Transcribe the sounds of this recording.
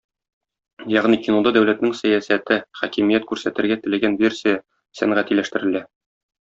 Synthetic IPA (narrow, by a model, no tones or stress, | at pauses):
jɒʁnikʲinod̪ɑd̪æwlæt̪nɘŋsæjæsæt̪ɘχækimijæt̪kʉɾsæt̪ɘ̆ɾɡæt̪ɘ̆læɡænvʲe̞rsʲija | sæŋʁæt̪ilæʃt̪ɘ̆ɾɘ̆læ